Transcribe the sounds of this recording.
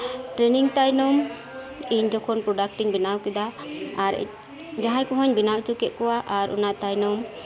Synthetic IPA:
ʈɾɛniŋt̪ajnɔm | iɲd͡ʒɔkʰɔnpɾɔɖak̚ʈiŋbinawkɛd̪aaɾ̰ | d͡ʒaɦajkɔɦɔɲbinawt͡ʃukɛʔ̪̚kɔwaʔaɾʔɔ̰naʔt̪ajnɔm

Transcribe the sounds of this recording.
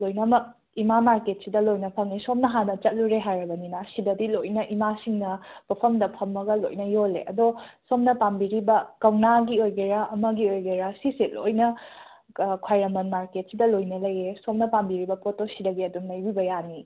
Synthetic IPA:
lojnɐmɐ | imamaɾket̚sidɐlojnɐpʰɐŋnisomnɐɦanɐt͡ʃɐt̚luɾeɦajɾɐbɐninasidɐdilojnɐʔimasiŋnɐpɐpʰɐmdɐpʰɐmːɐɡɐlo̰jnɐjolḛʔɐ̰dosomnɐpambiɾibɐkɐwnaɡiojɡeɾaʔɐmɐɡiojɡeɾasiselo̰jnɐ | kʰwajɾɐmɐnmaɾket̚sidɐlojnɐlɐjːesomnɐpambiɾibɐpotosidɐɡiɐdunːɐjbibɐjani

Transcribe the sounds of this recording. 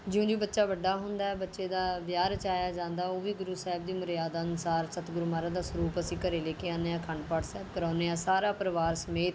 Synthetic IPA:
d͡ʒɪõːd͡ʒiːbətːʃaːbəɖaːɦʊ̃nd̪aːɛːbətːʃeːd̪aːʋjaːɾət͡ʃaːjaːd͡ʒãːnd̪aːoːʋiːɡʊɾuːsɛːɦɪb̚d̪iːmʊɾjaːd̪aːnʊsaːɾsət̪ɡʊɾmaːɾãːd̪aːsʊɾuːpəsĩːkəɾeːleːkeːãːneːãːkʰəɳɖpaːʈsɛːb̚kəɾãːneːãːsaːɾaːpɾəʋaːɾsəmeːt̪

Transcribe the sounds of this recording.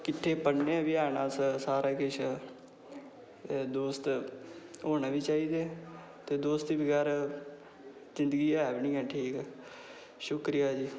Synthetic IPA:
kɪʈʰːeːpəɽnebɪaːnãːsəsaːɾaːkɪʃʰ | d̪oːst̪ | ɦoːnaːʋiːt͡ʃaːiːd̪eː | t̪eːd̪oːst̪iːbɪɡaːɾ | zɪnd̪əɡiːɛːbɪnĩːɛ̃ːʈʰiːkɛː | ʃʊkɾijaːd͡ʒiː

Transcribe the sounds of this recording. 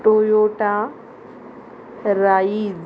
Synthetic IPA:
ʈojoʈa | ɾaːiz

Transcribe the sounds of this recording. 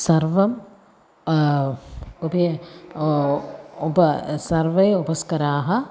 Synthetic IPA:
sɐɾʋɐm | upɐjɐ | upɐsɐɾʋɐjɐupɐskɐɾaːɦɐ

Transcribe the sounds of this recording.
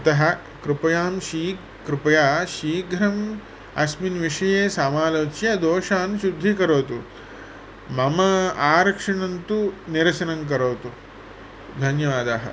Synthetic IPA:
ɐt̪ɐɦɐ̆ | kɾupɐjaːmʃiː | kɾupɐjaːʃiːɡʱɾɐm | ɐsminʋiʂɐjeːsaːmaːloːt͡ʃjɐd̪oːʃaːnʃud̪ʱːikɐɾoːt̪u | mɐmɐaːɾɐkʂɐɳɐnt̪uniɾɐsɐnɐmk̬ɐɾoːt̪u | d̪ʱɐnjɐʋaːd̪aːɦɐ̰

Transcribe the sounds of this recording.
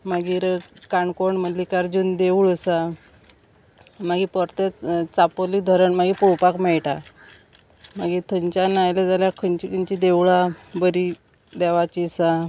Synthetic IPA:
maɡiːɾkaɳkoɳm̤ət̪likaɾd͡ʑuːnd̪euɭəsa | maɡipɔɾt̪et͡sapoliːd̪ʱɔɾəɳmaɡipuwpakmɛɭʈa | maɡit̪ʰəɲt͡ɕanajled͡zaljakʰəɲt͡ɕikʰəɲt͡ɕid̪eʋɭabəɾi | d̪ɛʋat͡ɕisa

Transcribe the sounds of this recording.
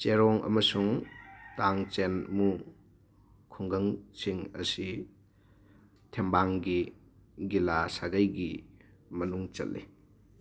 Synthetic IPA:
t͡ʃeɾɔŋɐ̰mɐsuŋtaŋt͡ʃenmu | kʰuŋɡɐŋsiŋɐ̰si | tʰembaŋɡiɡilasaɡajɡimɐnuŋt͡ʃɐ̰lːi

